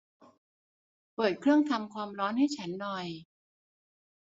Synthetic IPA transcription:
pɤː˨˩t̪̚kʰɾɯ˥˩əŋt̪ʰa˧mkʰwaː˧mɾɔː˦˥nha˥˩jt͡ɕʰa˦˥nːɔ˨˩j

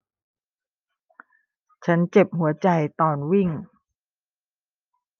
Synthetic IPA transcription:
t͡ɕʰa˦˥nt͡ɕe˨˩p̚ɦu˩˦ɐt͡ɕa˨˧jt̪ɔː˨˩nwi˥˩ŋ

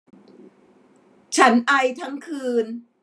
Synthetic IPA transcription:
t͡ɕʰa˦˥nʔa˧jt̪ʰa˦˥ŋkʰɯː˧n

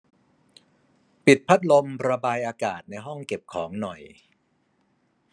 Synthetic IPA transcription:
pi˨˩t̪̚pʰa˦˥t̪̚lo˧mɾa˧baː˧jʔaː˧ka̰ː˨˩t̪̚na˧jɦɔ˥˩ŋke˨˩p̚kʰɔː˩˦ŋnɔ˨˩j

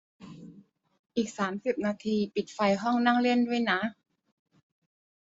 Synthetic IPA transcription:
ʔiː˨˩k̚saː˩˦msi˨˩p̚naː˧t̪ʰiː˧pi˨˩t̪̚fa˧jɦɔ˥˩ŋna˥˩ŋle˥˩˨ndu˥˩əjna˦˥

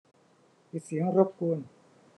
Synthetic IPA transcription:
pi˨˩t̪̚si˨˩˦ə˦ŋɾo˦˥p̚ku˧ən

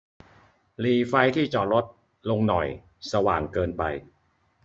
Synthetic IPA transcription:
liː˧fa˦˧jt̪ʰiː˥˩t͡ɕɔː˨˩ɾlo˦˥t̪̚ | lo˧ŋnɔ̰˨˩j | sa˧wa̰ː˨˩ŋkɤː˧npa̰˧j

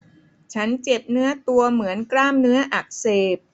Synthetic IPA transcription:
t͡ɕʰa˦˥nt͡ɕe˨˩p̚nɯ˦˥ɐt̪u˧ɐmɯ˩˦ənklaː˥˩mnɯ˦˥ɐʔa˨˩k̚seː˨˩p̚

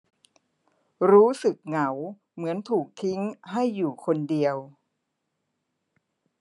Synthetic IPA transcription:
ɾuː˦˥sɯ˨˩k̚ŋa˩˦w | mɯ˩˦ənt̪ʰuː˨˩k̚t̪ʰi˦˥ŋɦa˥˩jːuː˨˩kʰo˧ndi˧əw

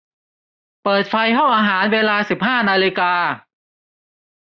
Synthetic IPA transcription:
pɤː˨˩t̪̚fa˧jkʰa˥˩wʔaː˧ɦaː˩˦nweː˧laː˧si˨˩p̚haː˥˩naː˧li˧kaː˧

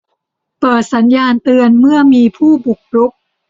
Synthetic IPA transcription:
pɤː˨˩t̪̚sa˩˦njaː˧nt̪ɯ˧ənmɯ˥˩ɐəmiː˧pʰuː˥˩bu˨˩k̚ɾu˦˥p̚

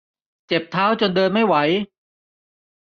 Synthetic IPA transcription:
t͡ɕe˨˩p̚t̪ʰaː˦˥wt͡ɕo˧ndɤː˧nma˥˩jwa˩˦j

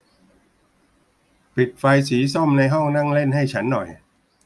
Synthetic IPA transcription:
pi˨˩t̪̚fa˧jsiː˩˦sɔ˥˩mna˧jɦɔ˥˩ŋna˥˩ŋle˥˩nɦa˥˩jt͡ɕʰa˦˥nːɔ˨˩j

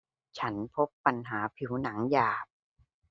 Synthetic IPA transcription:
t͡ɕʰa˦˥npʰo˦˥pːa˧nɦaː˩˦pʰi˩˦wna˩˦ŋjaː˨˩p̚

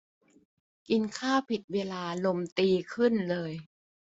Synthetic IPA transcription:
ki˧nkʰaː˥˩pʰi˨˩t̪̚weː˧laː˧lo˧mt̪iː˧kʰɯ˥˩nlɤː˧j

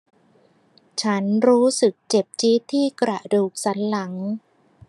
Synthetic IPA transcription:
t͡ɕʰa˦˥nɾuː˦˥sɯ˨˩k̚t͡ɕe˨˩p̚t͡ɕi˦˥t̪ʰːiː˥˩kɾa˨˩duː˨˩k̚sa˩˦˥nla˩˦ŋ

